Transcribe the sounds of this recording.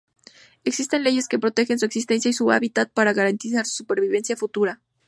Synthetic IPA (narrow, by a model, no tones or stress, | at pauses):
e̞ksist̪e̞nle̞ʝe̞ske̞pɾo̞t̪e̞xe̞nsue̞ksist̪e̞nsjaisua̰βit̪at̪̚paɾaɣaɾant̪isaɾsu̥supe̞ɾβiβe̞nsjafut̪uɾa